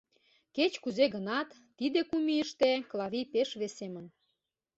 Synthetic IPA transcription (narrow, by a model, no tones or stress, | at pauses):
ket͡ɕkuzeɣənɑt̪ːid̪ekumiəʃt̪eklˠɑβipeʃβesemən